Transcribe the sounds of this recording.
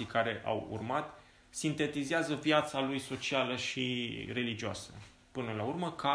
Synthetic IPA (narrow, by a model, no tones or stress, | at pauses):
ikaɾe̞ʔa̰wṵrmat̪ | sint̪e̞t̪izeazəvjat̪salujso̞t͡ʃialəʃire̞lid͡ʒioasə̰ | pɨnəlaurməka